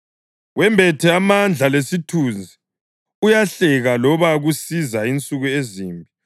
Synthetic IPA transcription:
wɛmbʱɛtʰɛamand͡ɮʱalesitʰund͡zʱi | ujaɬɛɣalɔβaɣusizaint͡sʼuɣueziːmbʱi

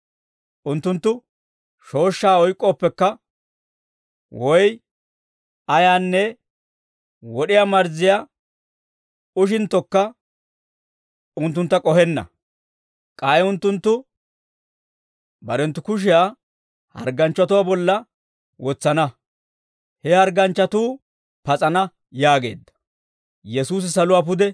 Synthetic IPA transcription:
ʔʊnt̪ːʊnt̪ːʊ | ʃo̞ːʃːaːɔjkʼːoːpːɛkːɐ | wɔj | ɐjaːnːɛ | wɔɗɪjamɐɾzɪja | ʊʃ̬ɪnt̪ːɔkːɐ | ʊnt̪ːʊnt̪ːɐkʼɔhɛnːɐ̰ | kʼaːjʊnt̪ːʊnt̪ːʊ | bɐɾɛnt̪ːʊkʊʃ̬ɪjaː | hɐ̰ɾɡɐnt͡ʃːɐt̪ʊwaːbɔlːɐ | wɔt͡sːɐnɐ | hɛhɐɾɡɐnt͡ʃːɐt̪uː | pɐt͡sʼɐnɐ | jaːɡe̞̰ːd̪ːɐ̥ | jɛsuːs̬ɪsɐlʊwaːp̬ʊd̪ɛ

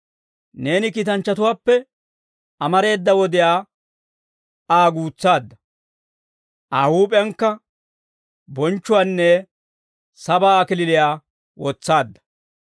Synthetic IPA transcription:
ne̞ːnɪkiːt̪ɐnt͡ʃːɐt̪ʊwaːpːɛ | ɐmɐɾe̞ːd̪ːɐwɔd̪ɪjaː | aːɡuːt͡sːaːd̪ːɐ | ʔaːhuːpʼɛjŋkːɐ | bɔnt͡ʃːʊwaːnːɛ | sɐbaːkɪlɪlɪjaː | wɔt͡sːaːd̪ːɐ̥

